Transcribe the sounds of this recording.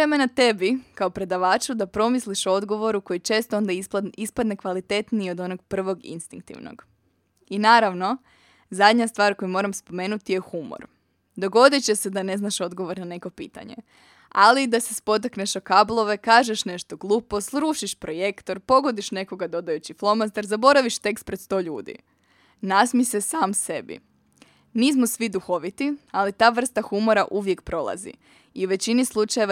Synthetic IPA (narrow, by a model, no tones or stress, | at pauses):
ɾemenat̪e̞bikaopɾe̞d̪aʋaːt͡ʃud̪apɾo̞misliʃo̞d̪ɡo̞ʋo̞ɾuko̞jit͡ʃe̞ːst̪oo̞nd̪aispad̪ne̞kʋalit̪et̪nio̞d̪o̞noɡpr̩ʋo̞ɡḭnst̪ḭŋk̚t̪ḭʋno̰ɡ̥ | inaːɾaʋno̞ | zad̪ɲast̪ʋaːɾko̞jumo̞ɾamspo̞me̞ːnut̪ije̞xumo̰ɾ | d̪o̞ɡo̞d̪et͡ɕese̞d̪ane̞znaʃo̞d̪ɡo̞ʋo̞ɾnane̞ko̞pḭːt̪a̰ɲḛ | alid̪asespo̞t̪̬akneʃokablˠo̞ʋe̞kaːʒeʃne̞ʃt̪o̞ɡlˠuːpo̞sɾuːʃiʃpɾo̞je̞kt̪o̞ɾpo̞ɡo̞d̪iʃne̞ko̞ɡad̪o̞d̪ajut͡ɕiflˠo̞mast̪eɾzabo̞ɾaʋiʃt̪e̞ks̚pɾet̪st̪o̞ʎuːd̪ḭ | nasmisesaːmse̞bḭ | niːs̬mosʋid̪uxo̞ʋit̪ialit̪aːʋr̩st̪axumo̞ɾaʔuʋje̞kpɾo̞lˠa̰zḭ | iuʋe̞t͡ɕinislˠut͡ʃaje̞ʋa